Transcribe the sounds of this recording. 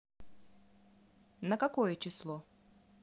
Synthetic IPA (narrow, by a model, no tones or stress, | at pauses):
nəkɐkojət͡ɕɪslˠo